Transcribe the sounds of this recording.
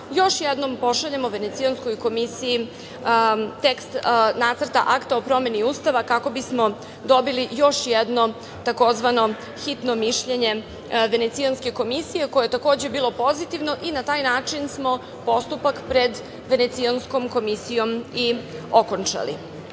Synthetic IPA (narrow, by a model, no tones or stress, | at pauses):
jo̞ʃjɛd̪no̞mpo̞ʃaʎemoʋe̞ne̞t̪siansko̞jko̞misiji | t̪ekst̪nat̪sər̩t̪aʔakt̪aopɾo̞me̞niuːst̪aʋakako̞bismo̞ | d̪o̞bilijo̞ʃjɛd̪no̞ | t̪ako̞zʋano̞ | xit̪no̞miʃʎe̞ɲe̞ | ʋe̞net̪sijanske̞ko̞misijeko̞jojet̪ako̞ːd͡ʑe̞biːlˠo̞po̞zit̪iʋno̞ʔinat̪aːjnaːt͡ʂinsmo̞ | po̞st̪upakpɾe̞d̪ | ʋe̞ne̞t̪siansko̞mko̞misijo̞mio̞kont͡ʂa̰lḭ